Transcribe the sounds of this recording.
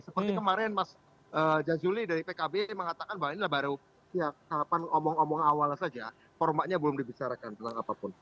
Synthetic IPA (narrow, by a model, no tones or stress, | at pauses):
səpərt̪ikəmaɾɛnmas | ʔəːd͡ʒazulidaɾipekabeməŋat̪akanbawainilahbaɾu | jasaapanomɔŋomɔŋawalsad͡ʒa | fɔrmaɲabəlʊmdibit͡ʃaɾakant̪ənaŋapapʊn